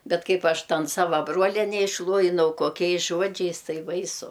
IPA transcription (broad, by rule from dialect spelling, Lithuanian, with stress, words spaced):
ˈbʲɛt ˈkɐɪp ˈɐʃ ˈtɐn ˈsɑːʋɐ ˈbroːlʲiɛnʲɛ ɪʃˈlˠuɔjɪnɐʊ koːˈkʲɛɪs ˈʒuɔd͡ʒʲɛɪs ˈtɐɪ ˈbɐɪsʊ